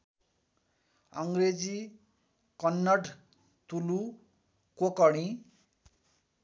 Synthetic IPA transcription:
ʌŋɡred͡zi | kʌnːʌʈ | t̪ulu | kokʌɽ̃ĩ

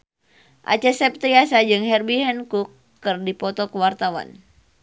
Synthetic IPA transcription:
ʔa̰t͡ʃɛsɛp̚t̪iasad͡ʒɨŋhɛrbiɦɛnkukː | ɨrdipɔt̪ɔkəwart̪awa̰n

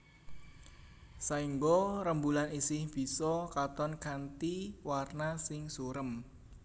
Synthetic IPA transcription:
saiŋɡɔɾəmbulanisɪhb̥i̤sɔkat̪ɔnkant̪iwarnasɪŋsuɾəm

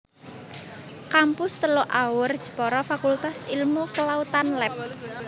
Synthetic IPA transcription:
kampʊst̪əloʔawʊrd̥ʒ̥ə̤̥pɔɾɔfakult̪asilmukəlaut̪anlɛp̚

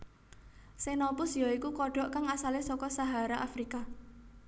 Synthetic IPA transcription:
senɔpʊsjɔikukɔɖ̥ɔ̤ʔkaŋasalesɔkɔsaɦaɾaʔafɾika

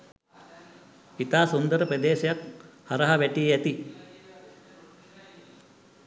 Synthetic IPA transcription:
it̪aːsund̪əɾəpɾɐd̪eːʃɐjak̚hɐɾɐɦɐʋɛʈieæt̪i

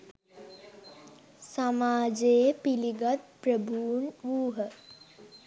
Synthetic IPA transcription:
samaːd͡ʒeːpiliɡat̪̚pɾəbʱuːnʋuːɦə

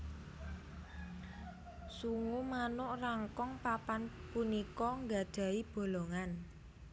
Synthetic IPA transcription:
suŋumanʊʔraŋkɔŋpapanpunikɔŋɡad̪̥ä̤ib̥o̤loŋan

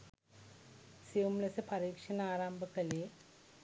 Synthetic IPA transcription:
siumlɐsɨpɐɾiːkʂɐnaːɾambʱɐkːɐle

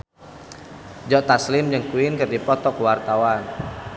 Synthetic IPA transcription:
d͡ʒɔt̪aslɪmd͡ʒəŋkuɪnkɨrdipɔt̪ɔkwart̪awan

